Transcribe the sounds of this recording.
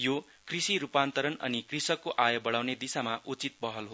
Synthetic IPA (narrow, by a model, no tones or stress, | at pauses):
jo | krisiɾupant̪ʌɾʌnʌ̰nikrisʌkːoʔajʌbʌɽawned̪isamaʔut͡sit̪̚pʌɦʌlɦo